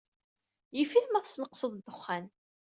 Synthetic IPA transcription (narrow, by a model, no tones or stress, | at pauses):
jifiθmæðsnəqsəðˤd̪ːʊχːæn